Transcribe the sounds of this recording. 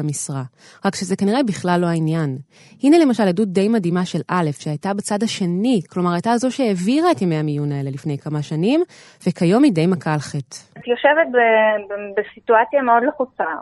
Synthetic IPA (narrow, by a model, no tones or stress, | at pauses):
misʁa | ʁakʃeze̞kaniʁebiχlalːo̞ainjan | hine̞le̞maʃaljadut̚d̪e̞jmadimaʃe̞lʔale̞fʃeajtabet͡sadhaʃe̞niklo̞maʁajtaːzo̞ʃeeviʁaetjemejhamijunaelelifne̞jkamaʃanim | vekajo̞mide̞jmakalχett̪joʃevet̪bebbesituat͡sjameo̞dleχut͡sa